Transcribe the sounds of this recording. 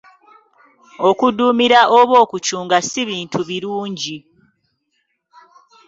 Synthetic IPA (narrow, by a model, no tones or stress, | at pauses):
o̞kuduːmiɾaʔoβo̞ːkut͡ʃuːŋɡasiβiːntʰuβiɾuːɲɟi